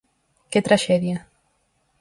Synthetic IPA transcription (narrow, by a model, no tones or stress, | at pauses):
ket̪ɾaʃɛðia